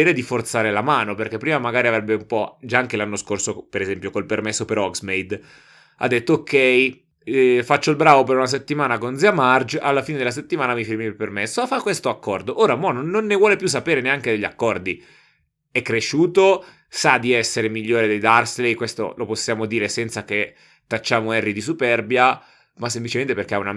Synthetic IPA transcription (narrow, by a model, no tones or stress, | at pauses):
eːɾed̪ifort̪saːɾelamaːnoperkepːɾiːmamaɡaːɾiavɾɛbːeumpɔd͡ʒaaŋk̟elanːoskorsopeɾezɛmpjokolpermesːopeɾɔksmejd̪ | a̰d̪ːet̪ːookʰːɛj | fat͡ʃːoilbɾaːvopeɾunas̬et̪ːimaːnakond̪ziamard͡ʒalːafiːned̪elas̬et̪ːimaːnamifirmilpermesːoafakːwest̪oakːɔrd̪oʔoːɾamɔnononːevwɔːlepjusːapeːɾeneaŋked̪eʎːakːɔrd̪i | ɛkːɾeʃuːt̪o | sad̪iɛsːeɾemiʎːoːɾed̪ejd̪arslejkwest̪o̰loposːjaːmod̪iːɾesɛnt̪sak̟e | t̪ːat͡ʃːaːmoɛrːid̪isupɛrbja | mas̬ːemplit͡ʃement̪eperk̟eauna